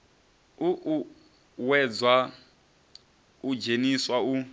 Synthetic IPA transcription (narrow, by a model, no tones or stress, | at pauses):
uʔ | wɛd͡zwa | ud͡ʒeniswau